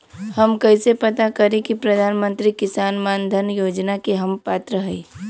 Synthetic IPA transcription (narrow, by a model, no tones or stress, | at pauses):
hɐmkɐisepɐt̪akɐɾẽkipɾɐd̪ʱaːnmə̃nt̪ɾikɪsaːnmaːnd̪ʱənjoːd͡ʒnakeɦɐmpaːt̪ɾəɦɛi